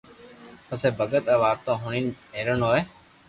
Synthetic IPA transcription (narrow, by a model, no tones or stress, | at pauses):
əseːbʱəɠət̪əːʋaːt̪õːɦʊːɳiːneːɾəɳoːeː